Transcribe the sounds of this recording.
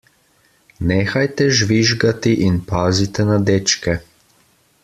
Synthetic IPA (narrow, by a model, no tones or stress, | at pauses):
neːxajt̪ɛʒʋiʒɡat̪iʔinpaːzit̪ɛnad̪et͡ʃkɛ